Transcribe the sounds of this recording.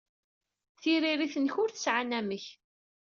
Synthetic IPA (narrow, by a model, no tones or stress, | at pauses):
θiɾiɾiθənçʊɾθə̥sʕanæməç